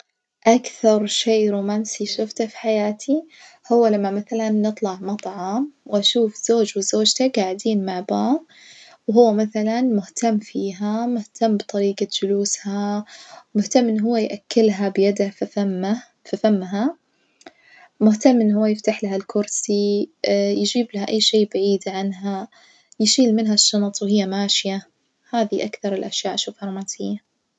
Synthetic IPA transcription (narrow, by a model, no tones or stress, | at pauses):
ʔakθɑɾˤʃeːɾuːmaːnsiʃʊft̪afi̥ħajaːt̪ʰi | hʊwːalamːamaθalanːɨt̪ˤlɑʕmɑt̪ˤʕɑmwʔaʃuːfz̥oːd͡ʒwɪzoːd͡ʒt̪aɡaʕɪd̪iːnmaʕbaːb | wɦʊwːamaθalanmʊht̪amːfiːɦamʊht̪ʰamːbt̪ˤɑɾiːɡad͡ʒʊluːsha | mʊht̪amːʔɪnːɦʊwːajʔakːɪlɦabjad̪afa | fifamːɦa | mʊht̪amːʔɪnːhʊwːajɪft̪aħlahalkʰʊɾsi | jd͡ʒiːblahaʔa̰jːʃeːbaʕiːd̪ʕanɦa | jɪʃiːlmɪnɦaʃːɑnt̪ˤwhɪjːamaːʃja | haːðiʔakθɑɾˤɪlʔaʃjaːʔʃuːfhɑɾˤmaːsɪjːa